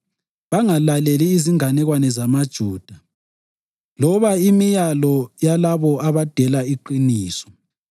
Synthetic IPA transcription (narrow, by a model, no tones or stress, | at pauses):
βaŋalaleliːziŋanɛɣwanɛzamad̥ʒ̥ʱuːd̥ʱa | lɔβaimijalɔjalaβɔaβad̥ʱɛlaiǃiniːsɔ̥